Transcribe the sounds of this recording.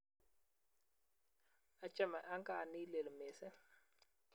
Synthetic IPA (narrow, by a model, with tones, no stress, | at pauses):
a˨t͡ʃʼa˦ma˨ʔa˦ŋka˨ni˦le˨lme˨sɛ˦